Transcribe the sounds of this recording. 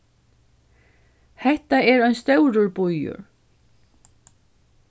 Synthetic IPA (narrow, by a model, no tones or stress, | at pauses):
hɛht̪aɛɾœjnst̪œwɾʊɾbujʊ̰ɾ